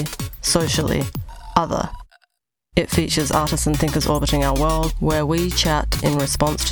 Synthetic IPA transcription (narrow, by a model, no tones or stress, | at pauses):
səʊʃəl̩ˠḭʔʌðə̰ | ɪtfiˑt͡ʃəzɑˑɾɪssə̃nθɪ̃ŋkəzɔːbɪɾɪ̃ŋaʊəwɜ˞lˠd̚wəwit͡ʃʰætɪ̰̃nɹɪspɒ̃nstʰ